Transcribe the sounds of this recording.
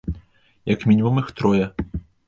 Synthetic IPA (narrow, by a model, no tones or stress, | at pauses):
jɐkmʲinʲimumɨxt̪ɾɔjɐ